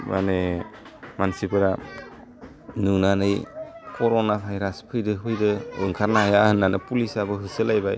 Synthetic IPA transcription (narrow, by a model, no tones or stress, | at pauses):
ma̰ne | mansibɯɾa | nunanɯjkʰɔɾonabʱajɾaspʰɯjdɯɦɯjdɯɯ̰ŋkʰaɾnajahɯnːanɯpulisabɯɦɯsɯlajbaj